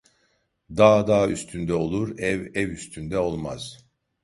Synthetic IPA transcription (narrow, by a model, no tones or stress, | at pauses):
d̪aːd̪aːyst̪ʰynd̪ɛo̞lˠuɾɛvɛvyst̪ʰynd̪ɛo̞lˠma̰z̥